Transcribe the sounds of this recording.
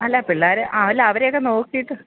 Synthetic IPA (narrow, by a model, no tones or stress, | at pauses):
ɐlːɐpiɭːaːɾɨʔɐʋlːɐʋɐɾejokːeno̞ːkːijiʈːɨ